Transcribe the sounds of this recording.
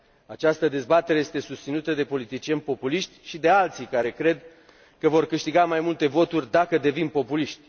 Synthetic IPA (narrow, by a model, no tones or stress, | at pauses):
at͡ʃast̪əd̪e̞zbat̪e̞ɾeje̞st̪e̞sust̪sinut̪əd̪e̞po̞lit̪it͡ʃie̞nʲpo̞puliʃt̪ʲʃid̪e̞alt̪sikaɾe̞kɾe̞d̪ | kəvo̞rkɨʃt̪iɡamajmult̪e̞vo̞t̪urʲd̪akəd̪e̞vinpo̞puliʃt̪ʲ